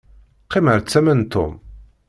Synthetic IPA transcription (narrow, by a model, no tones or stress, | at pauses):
qːɪməɾt͡sːæmənt̪ʰːʊ̰m